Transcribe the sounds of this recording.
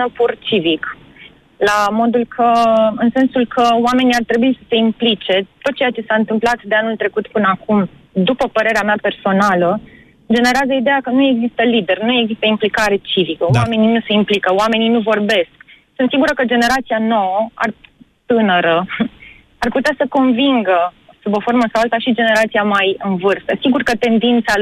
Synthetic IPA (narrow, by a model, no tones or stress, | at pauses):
nəpurt͡ʃivik | lamo̞d̪ulkʰəɨnse̞nsulkʰəoame̞niart̪ɾe̞buisə̥se̞implit͡ʃe̞t̪o̞t̪̚t͡ʃejat͡ʃe̞saɨnt̪ɨmplat̪d̪e̞anult̪ɾe̞kut̪pɨnəakumd̪upəpəɾe̞ɾeameape̞rso̞nalə | d͡ʒe̞ne̞ɾeazəid̪ejakənue̞ɡzist̪əlid̪e̞rnue̞ɡzist̪əimplikaɾe̞t͡ʃivikəoame̞ninuse̞implikəoame̞ninuvo̞rbe̞sk | sɨnt̪siɡuɾəkəd͡ʒe̞ne̞ɾat̪sijano̞wəa̰rt̪ɨnəɾə | arput̪easəko̞nviŋɡə | subo̞fo̞rməsawalt̪aʃid͡ʒe̞ne̞ɾat̪siamajɨnvɨrst̪əsiɡurkət̪e̞nd̪int̪sa